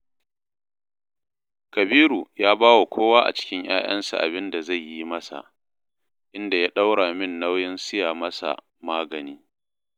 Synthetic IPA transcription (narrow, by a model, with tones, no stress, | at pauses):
kɐ˨biː˦ɾu˨jaː˦baː˦wa˨kʷʰoː˦waː˦ʔa̰˨t͡ʃɪ̥˦kʲɪ˦ɲj̰a̰ː˦j̰ɐ̰˦nsa̰˨ʔa̰˨bɪ˦nda˨za˦˨jːi˦mɐ˦sa̰˨ʔ | ʔɪ˦nda˨jaː˦ɗa˦wɽaː˨mɪ˦˨nːa˦wjɪ˦nsɪ˦jaː˨mɐ˦sa̰˨ | maː˦ɡɐ˨niː˦